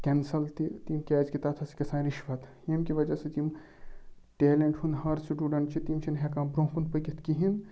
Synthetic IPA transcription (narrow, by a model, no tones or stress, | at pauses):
kʲɛnsɐlt̪it̪imkʲɛːd͡ʒkit̪aːt̪ʰɐsi̥kʲɐsãːnɾiʃʋɐt̪ | emkiʋɐd͡ʒɐset̪im | ʈeːleɳʈhund̪ɦɐɾsiʈuːɖɐɳʈt͡ʃʰit̪imt͡ʃʰinɦekaːmpɾõːpund̪pəkʲit̪kiɦin